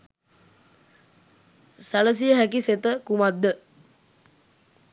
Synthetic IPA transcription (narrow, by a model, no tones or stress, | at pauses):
saləs̬ijəɦækiset̪əkumad̪ːə